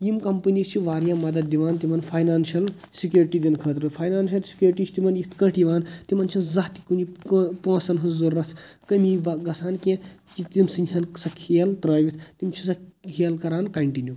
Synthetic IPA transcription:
jimkɐmpɨnist͡ʃʰiʋaːɾjaːmɐd̪ɐd̪̚d̪iʋaːnt̪imɐnpʰaːjnaːnʃɐl | sikʲjuːɾʈiːd̪ʲinkʰɐːt̪ɾɨpʰaːjnaːnʃɐlsi̥kʲjuːɾʈiːt͡ʃʰt̪imɐnjit̪ʰkɐ̃ʈʰiʋaːnt̪imɐnt͡ʃʰinzɐht̪i̥kunikpõːsɐnɦɨzuɾːɐt̪ʰkɐmibaɡɐsaːnkẽt͡ʃit̪imsɨnʲd͡ʒʲʰɐnsɐkʰːelt̪ɾɐːʋʲit̪ʰt̪imt͡ʃʰisɐhʰʲeːlkɐɾaːnkɐɳʈinʲju

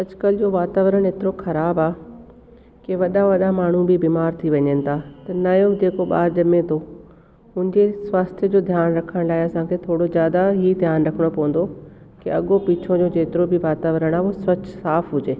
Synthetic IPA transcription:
ɐd͡ʑkəlɪd͡ʑoːʋaːt̪aːʋɾəɽ̃eːt̪ɪɾoxɐɾaːbaː | keʋɐɗaʋɐɗamaːɳ̤ũbɪbiːmaːɾt̪ʰiʋɐɲənɪ̆t̪ʰat̪ɐnɐjod͡ʑeːkoɓa̰ːɾd͡ʑɐmẽt̪ʰo | ɦʊ̃ɪɲd͡ʑesʋaːst̪ʰjəd͡ʑoːd̪ʱjaːnɾɐkʰəɽ̃laːeɐsãːkʰeːt̪ʰoːɽozjaːd̪aɦid̪ʱjaːnɾɐkʰəɽ̃opɐʋə̃nd̪o | kiɐɠopiːt͡ɕʰõd͡ʑoːd͡ʑeːt̪ɪɾobiʋaːt̪aːʋɾəɽ̃aːosʋɐt͡ɕsaːfɦʊd͡ʑeː

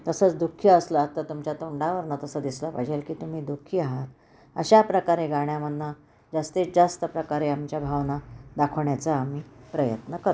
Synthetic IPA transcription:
t̪əsət͡sd̪ukʰjəːsləːt̪ːat̪umt͡ɕat̪oɳɖaʋəɾnat̪əsəd̪isləpəd͡ʑelkiːt̪um̤iːd̪ukʰiaɦat̪ | əɕapɾəkaɾeɡaɳ̃jamənːa | d͡zast̪ed͡zast̪əpɾəkaɾeamt͡ɕjabʱaʋnad̪akʰəʋɳjat͡saːm̤iːpɾəjət̪nəkəɾ

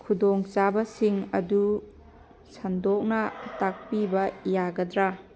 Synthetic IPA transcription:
kʰudɔŋt͡ʃabɐsiŋɐ̰du | sɐndɔk̚nɐtak̚pibɐjaɡɐdɾa

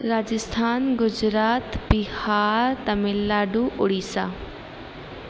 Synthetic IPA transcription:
ɾaːd͡ʒɪst̪ʰaːnɡʊd͡ʒɾaːt̪bihaːɾt̪ɐmɪlːaːɖuʔʊɽisaː

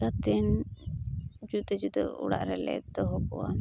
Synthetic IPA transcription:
at̪ɛn | d͡ʒut̪ɛd͡ʒut̪ɛ̰ṵɽa̰ʔɾɛlɛ̰d̪ɔɦɔkɔ̰ʔa̰n

